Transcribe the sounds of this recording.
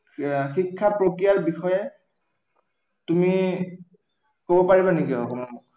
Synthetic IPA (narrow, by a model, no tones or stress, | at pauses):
xikʰːapɹokɹijaɹbixɔjɛ | tumi | kobɔpaɹibanekiɔ̰kɔmamɔ